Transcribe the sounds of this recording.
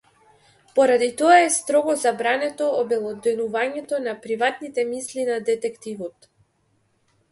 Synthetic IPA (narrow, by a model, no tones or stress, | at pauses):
pɔɾad̪it̪ɔaɛst̪ɾɔɡɔzabɾanɛt̪ɔːbɛlˠɔd̪ɛnuvaɲɛt̪ɔnapɾivat̪nit̪ɛmislinad̪ɛt̪ɛkt̪ivɔt̪